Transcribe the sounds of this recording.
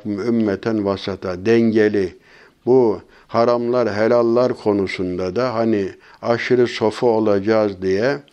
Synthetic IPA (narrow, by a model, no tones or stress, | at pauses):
mymːɛt̪ʰænvasat̪ʰad̪ɛɲɟelʲi | bu | haɾamlˠaɾɦɛlʲalˠːaɾkʰo̞nusund̪ad̪aɦani | aʃɯɾɯso̞faolˠad͡ʒaːzd̪ijɛ